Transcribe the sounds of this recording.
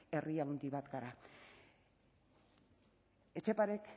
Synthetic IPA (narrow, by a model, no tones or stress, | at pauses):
e̞riawnd̪iβat̪ɡaɾa | e̞t͡ʃe̞paɾek